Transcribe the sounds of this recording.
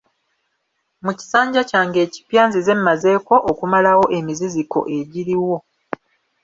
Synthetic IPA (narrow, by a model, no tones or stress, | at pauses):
muci̥saːɲɟacaːŋɡe̞ːci̥pjaːnzize̞mːaze̞ːko̞ʔːkumalawo̞ʔe̞miziziko̞̰ʔe̞ɟiɾiwo̞